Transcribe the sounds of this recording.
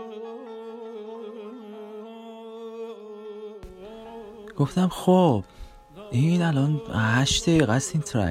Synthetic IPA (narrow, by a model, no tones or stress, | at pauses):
ɡ̥oft̪æmxob̥ | ʔinælɒnhæʃt̪ʰeɣæst̪iːnt̪ʰɾæ̰